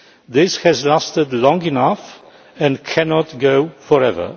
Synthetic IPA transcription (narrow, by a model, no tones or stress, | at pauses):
ðɪshɨzlastədlɔ̃ŋinaf | ɛ̃nkʰɛnɔtɡoʊfɔɹɛvə̰˞